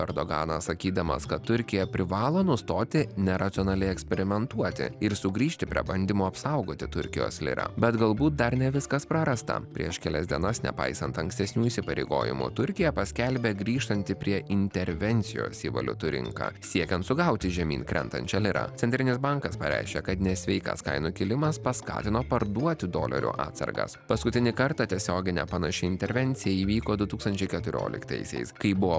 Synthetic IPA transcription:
ɛɾd̪oɡɑ̰ːnɐssɐkʲiːd̪ɐmɐ̰skɐt̪t̪ːʊɾʲkʲɪjɛpʲɾʲɪʋɑːlˠoːnʊst̪oːt̪ʲɪnʲɛɾɐt̪ʲɪoːnɐlʲɛɪɛksʲpʲɛɾʲɪmʲɛnt̪uɔt̪ʲɪ̰ɪɾsʊɡɾʲiːʃʲt̪ʲɪpʲɾʲḭɛbɐnʲd̪ʲɪmuɐpsɐʊɡoːt̪ʲɪt̪ʊɾʲkʲɪjo̰ːslʲɪ̰ɾɐ̰bʲɛt̪ɡɐlˠbuːt̪̚d̪ɐɾnʲɛʋʲɪskɐspɾɐɾɐst̪ɐ̰pʲɾʲiɛʃkʲɛlʲɛsd̪ʲiɛnɐsnʲɛ̰pɑ̰ɪsɐnt̪ɐŋksʲt̪ʲɛsʲnʲuːiːsʲɪpɐɾʲḛɪɡo̰ːjɪ̰mṵt̪ʊɾʲkʲɪjɛpɐsʲkʲɛlʲbʲeːɡɾʲiːʃt̪ɐnʲt̪ʲɪpʲɾʲiɛʔɪnʲt̪ʲɛɾʲʋʲɛnʲt̪sʲɪjo̰ːsiːʋɐ̰lʲʊ̰t̪ʊɾʲɪ̰ŋkɑ̰ːsʲiɛkʲɛnt̪sʊɡɐʊt̪ʲɪʒʲɛmʲḭːnkɾʲɛ̰nt̪ɐ̰nʲt͡ʃʲɛlʲɪɾɐ̰t̪ʲɛnʲt̪ʲɾʲɪnʲɪsbɐŋkɐspɐɾʲæ̰ɪʃʲkʲɛkɐt̪nʲɛsʲʋʲɛɪkɐ̰skɐ̰ɪnʊkʲɪlʲɪmɐspɐskɑ̰ːt̪ʲɪnoːpɐɾd̪uɔt̪ʲɪd̪o̰ːlʲɐ̰ɾʲṵʔɑ̰ːt̪sɐ̰ɾɡɐ̰spɐskʊt̪ʲɪnʲɪkɐɾt̪ɑt̪ʲiɛsʲoːɡʲɪnʲɛ̰pɐnɐʃʲɪɪnʲt̪ʲɛɾʲʋʲɛnʲt̪sʲɪjɛiːʋʲiːkoːd̪ʊt̪uːkst̪ɐnʲt͡ʃʲɛɪkʲɛt̪ʊɾʲo̰ːlʲɪ̰kt̪ɐ̰ɪsʲɛ̰ɪskɐɪbʊʋoː

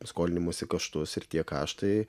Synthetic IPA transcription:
skoːlʲɪnʲɪmoɔsʲɪkɐʃt̪ʊsɪɾt̪ʲiɛkɑːʃt̪ɐɪ

